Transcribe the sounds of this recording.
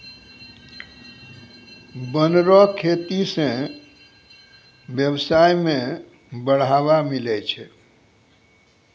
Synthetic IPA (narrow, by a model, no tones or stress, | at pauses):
bənɾɔkʰet̪isẽ | bjəbsajme | bəɽ̤abamilɛt͡ʃʰɛ